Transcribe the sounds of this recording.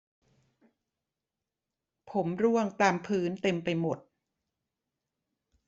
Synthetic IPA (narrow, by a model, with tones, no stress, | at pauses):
pʰo˩˦mɾu˥˩əŋt̪aː˧mpʰɯː˦˥nt̪e˧mpa˧jmo˨˩t̪̚